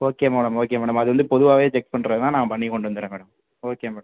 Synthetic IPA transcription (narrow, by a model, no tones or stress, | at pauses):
oːkeːmeːɽɐmoːk̬eːmeːɽɐmɐðɯʋɐnd̪ɯpɔðɯʋaːʋeːt͡ʃɛk̚pɐɳɾɐðɯt̪ãːnãːpɐɳːikːɔɳɖɯʋɐnd̪ɯɾẽːʋeːɽɐm | oːkeːmeːɽɐm